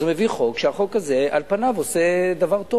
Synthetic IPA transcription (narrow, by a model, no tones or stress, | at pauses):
zumeviχo̞kʃeaχo̞kaze̞ʔalpanavose̞d̪avaʁt̪o